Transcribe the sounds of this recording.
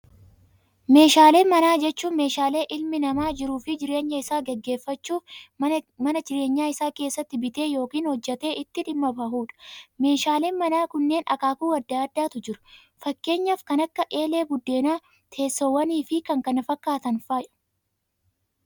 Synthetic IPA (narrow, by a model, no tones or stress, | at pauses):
me̞ːʃaːle̞ːmɐnaːd͡ʒɛt͡ʃːuːme̞ːʃaːle̞ːʔɪlmɪnɐmaːd͡ʒɪɾuːfɪd͡ʒɪɾe̞ːɲːɐɪsaːɡɛɡːe̞ːfːɐt͡ʃːuːf | mɐnɐd͡ʒɪɾe̞ːɲːaːɪsaːke̞ːsːɐt̪ːɪbɪt̪e̞ːjo̞ːkiːnhɔd͡ʒːɛt̪e̞ːɪt̪ːɪᶑɪmːɐbɐɦuːᶑɐ̥me̞ːʃaːle̞ːnmɐnaːkʊnːe̞ːnɐ̰kaːkuːwɐd̪ːaːɐd̪ːaːt̪ʊd͡ʒɪɾʊ̥ | fɐkːe̞ːɲːɐfkɐnɐkːɐʔe̞ːle̞ːɡʊd̪ːe̞ːnaː | t̪ʰe̞ːsːowɐniːfɪkɐŋkɐnɐfɐkːaːt̪ɐnfaːjʊ̥